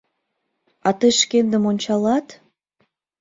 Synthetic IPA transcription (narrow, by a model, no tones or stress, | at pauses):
ɑt̪əjʃkend̪ə̆monʲt͡ɕɑlɑt̪